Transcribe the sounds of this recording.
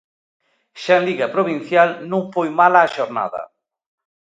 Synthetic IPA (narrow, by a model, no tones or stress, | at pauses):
ʃanliɣɐpɾoβin̟θjalnũŋfojmalaːʃoɾna̰ðɐ̰